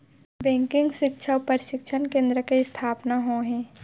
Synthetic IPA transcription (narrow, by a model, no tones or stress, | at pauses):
bɛ̃ːŋkɪ̃ŋɡʃɪkʃʰaʊpəɾʃɪkʃʰənkẽːnd̪ɾəkeɪst̪ʰaːpnaɦoːɦɛ̃ː